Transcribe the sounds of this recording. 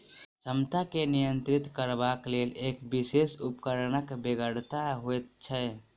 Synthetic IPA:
səmt̪akenijənt̪ɾɪt̪kəɾbakleːleːkbisesupkəɾnəkbeɡəɽt̪aɦoet̪̚t͡ʃʰɛ

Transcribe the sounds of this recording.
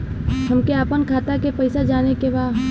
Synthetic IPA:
ɦɐmkeaːpənkʰaːt̪akepɐɪsad͡ʒaːnekebaː

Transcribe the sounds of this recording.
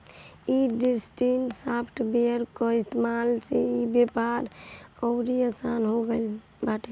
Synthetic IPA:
iɖisʈinʈsapʰʈ̪ʰbeɾkɔist̪emalseibjepaɾɔʊɾiasanɦoɡel | baʈe

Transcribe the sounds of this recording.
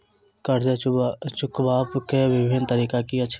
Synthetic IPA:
kəɾd͡ʒət͡ʃʊkʰbaːpkeʋɪbʱɪnt̪əɾiːkakiɐːʃʰ

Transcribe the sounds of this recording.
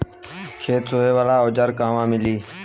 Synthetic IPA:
kʰeːt̪soɦeːʋaːlaːod͡ʒəɾkãːʋãːmɪliː

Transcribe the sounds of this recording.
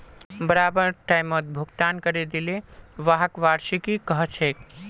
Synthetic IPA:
bəɾaːbəɾʈaːɪmət̪̚bʱʊɡt̪aːnkəɾed̪ileʋaɦəkʋaːɾʃikikəɦt͡ʃʰeːk

